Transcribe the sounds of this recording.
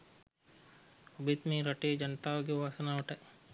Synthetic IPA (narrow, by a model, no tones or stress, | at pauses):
ɐbit̪miːɾɐʈeːd͡ʒɐnət̪aːʋɐɡeʋaːsɐnaːʋɐʈɐʔ